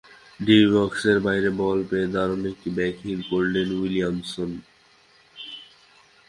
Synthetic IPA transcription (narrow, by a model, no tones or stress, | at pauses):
ɖibɔkseɾbajɾebɔlpeed̪ʱaɾonek̚ʈibɛkʰiŋkoɾlenwilijamson